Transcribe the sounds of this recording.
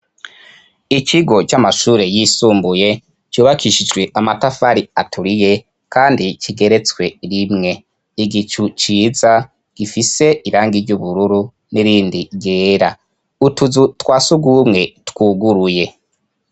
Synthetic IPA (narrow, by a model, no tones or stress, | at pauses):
ikiɡo̞t͡ʃamaʃuːɾe̞jiːsuːmbuje̞ | t͡ʃuːβakʰiʃid͡ʒɡwe̞ʔamatafaɾiatʰuɾije̞ | kaːndit͡ʃiɡe̞ɾe̞t͡skwe̞ɾimŋe̞ | iɡit͡ʃut͡ʃiːza | ɡ̥ifise̞iɾaːŋɡiɾɟuβuɾuɾu | niɾiːndiɡeːɾa | utuzutwaːsuɡumŋe̞twuɡuɾuje̞